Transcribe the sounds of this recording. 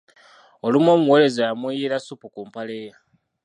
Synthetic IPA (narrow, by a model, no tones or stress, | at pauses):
olimo̞ːmuwele̞zajamwijiɾasupukumpaleja